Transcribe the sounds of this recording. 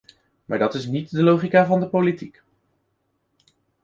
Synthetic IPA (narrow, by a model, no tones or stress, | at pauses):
maːɹdɑtɪs̬nitdəlowχikaːvɑndəpolitik